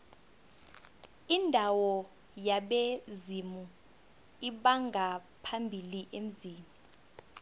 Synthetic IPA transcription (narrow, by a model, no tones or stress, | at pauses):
indʱawɔ | jaɓezimu | iɓaŋɡʱa | pʰambʱiliʔem̩ziːmu